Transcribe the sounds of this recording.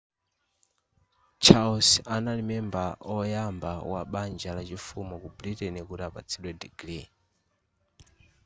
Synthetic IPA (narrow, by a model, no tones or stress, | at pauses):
t͡ʃʰaɔsanalimɛmbaɔjambawa̰ɓand͡ʒalat͡ʃifumɔkubɾitɛnikuɾapa̰t͡sʰiɗwɛdiɡɾi